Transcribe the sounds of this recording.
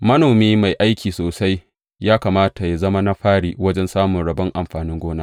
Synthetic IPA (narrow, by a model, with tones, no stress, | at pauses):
mɐ˦noː˨miː˦ma˨jʔa˦jkʲiː˨soː˨sa˦j | jaː˦kaː˨maː˦ta˨ja˨zɐ˦ma˦na˦ɸaː˦ɽiː˨wɐ˦d͡ʒɛ˦nsaː˦mʊ˨nɽɐ˨bɐ˦ŋʔa˨mɸaː˨nɪ˦ŋɡʷoː˦naː˦